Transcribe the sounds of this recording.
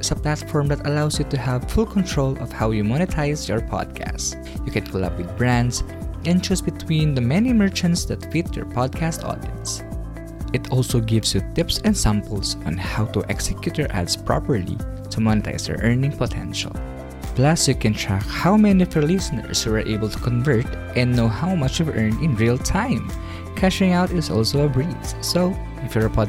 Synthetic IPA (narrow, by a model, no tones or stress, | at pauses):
ɪsɐplat̪fɔɹmd̪ɐt̪ɐlawsjut̪uhævfulkʰɔ̃nt̪ʰɹolɔv̥hawjumɔnɪt̪ʰaɪsjɔɹpʰɑ̰d̪̚kʰæ̰st | jukɛ̃nkʰɔla̰p̚wɪd̪̚bɹæ̃nd̪sʔɛ̃nd͡ʒusbɪt̪ʰwĩnd̪əmɛnimɛɹt͡ʃɛ̃nt̪sd̪at̪fit̪jɔ̰ɹpʰɔd̪̚kʰæst̪ɔ̰d̪ɪt̪s | ɪt̪ʰɔlsoɡɪvsjut̪ɪpsɛ̃nd̪sãmpəlˠsɔ̰̃nhawt̪uʔɛksɛkjut̪jəɹʔa̰dspɹɔ̰pəɹlḭ | t̪ʰumɔnɪt̪ʰa̰ɪsɛ̰ɹʔɜɹnɪ̃ŋpɔt̪ʰɛ̰̃nʃa̰lˠ | plasukɛ̃ntʰɹæ̰khawmɛniɔvɔɹlɪsənə̰ɹswɛɹʔḛjbəlt̪u̥kɔ̃nvɜɹt̪ʔɛ̃nːoʊhawmʌt͡ʃɔvʔɜɹnd̪ɪ̃nɹilt̪ʰãɪ̃m | kʰæʃɪ̃ŋawt̪ɪsɔ̰lˠsowɐbɹissoʊ | ɪfjɔɹɐpʰɔd